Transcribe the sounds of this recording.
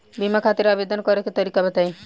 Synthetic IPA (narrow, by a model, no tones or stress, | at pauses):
bimakʰat̪iɾabed̪ənkɔɾeket̪ɔɾikabət̪aj